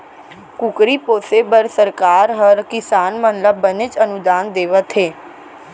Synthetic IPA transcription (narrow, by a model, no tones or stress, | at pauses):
kʊkɾipoːsebəɾsəɾkaːɾɦəɾkɪsaːnmənləbːənɪt͡ʃənʊd̪aːnd̪eːʋət̪ɦeː